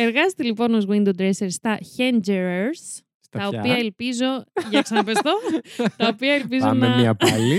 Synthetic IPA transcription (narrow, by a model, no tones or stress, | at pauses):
eɾɣɐst̪elipo̞nozɣwind̪ud̪ɾeseɾst̪ɐçend͡ʒeɾeɾs | t̪ɐopiɐelpizo̞ʝeksɐnɐpest̪ot̪ɐopiɐelp̬iz̬onɐmɐli